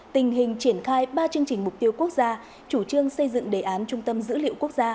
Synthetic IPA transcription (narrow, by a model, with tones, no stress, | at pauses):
t̪ï˨˩ŋ̟ɦï˨˩ŋ̟t͡ɕi˧˩ənxaː˧jɓaː˧t͡ɕɨ˧əŋt͡ɕï˨˩ŋ̟mʊ˨˩k͡p̚t̪i˧əwku˦˥ək̚zaː˧ | t͡ɕu˧˩t͡ɕɨ˧əŋsə˧jzɨ̰˧˨ŋɗe˨˩ʔaː˨˦nt͡ɕʊ˧ŋ͡mt̪ə˧mzɨ̰˧˥lḭ˧˨əwku˦˥ək̚zaː˧